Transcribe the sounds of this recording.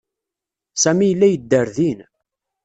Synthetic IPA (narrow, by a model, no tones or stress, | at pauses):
sæmijəlːæjəd̪ːəɾðin